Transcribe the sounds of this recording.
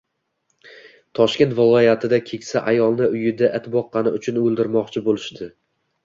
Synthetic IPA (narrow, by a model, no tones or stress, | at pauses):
t̪ʰɒʃkʲe̞nt̪vɪlˠɒjat̪ʰɪd̪akʲʰe̞kʲsaʔajɒlˠnɪʊjɪd̪aʔɪt̪bɒqːɑnɪʊt͡ʃʰʊnɵlˠd̪ɪɾmɒqt͡ʃʰɪbolˠɪʃd̪ɪ